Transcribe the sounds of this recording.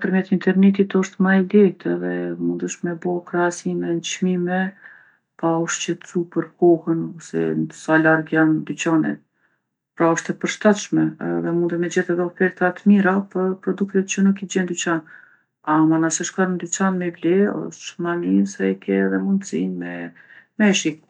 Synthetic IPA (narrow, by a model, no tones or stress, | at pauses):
pəɾmjɛt̪int̪ɛɾnɛt̪̬it̪ɔʃt̪majlɛt̪ʰɛðɛmund̪əʃmɛbɔkɾaasimɛnt͡ʃmimɛ | paɔʃt͡ɕɛt̪t͡supəɾkɔhənɔsɛ̰nd̪salaɾɡjand̪yt͡ɕanɛ̰ | pɾaɔʃt̪ɛpəɾʃt̪at̪ʃmɛɛðɛmund̪əmɛd͡ʑɛθɛðɛɔfɛɾt̪at̪miɾapəɾpɾɔd̪ukt̪ɛt̪̚t͡ʃənukid͡ʑɛnd̪yt͡ɕan | amanasɛʃkaɾnd̪yt͡ɕanmɛvlɛɔ̰ʃmaninsajkʰɛɛðɛmund̪sinmɛmɛʃik̚